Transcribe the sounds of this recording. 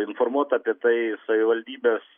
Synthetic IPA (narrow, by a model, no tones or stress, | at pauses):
ɪnfoɾmuɔt̪ɐpʲiɛt̪ɐɪsɐʋʲɪʋɐlʲd̪ʲiːbʲeːs